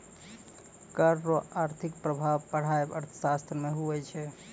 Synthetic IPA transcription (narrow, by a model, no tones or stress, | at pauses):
kəɾːoaɾt̪ʰikpɾəbʱaʋpəɽ̤aebə̰ɾt̪ʰəsast̪ɾəmeɦuɛt͡ʃʰɛ